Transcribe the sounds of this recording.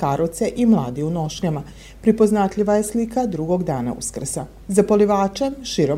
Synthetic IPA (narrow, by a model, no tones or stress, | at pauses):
kaɾot̪se̞ʔimlˠaːd̪iuno̞ʃɲama | pɾipo̞znat̪ʎʲiʋaje̞slikad̪ɾuɡo̞ɡd̪aːna̰ṵskr̩sa | zapoliʋaːt͡ʃemʃiɾo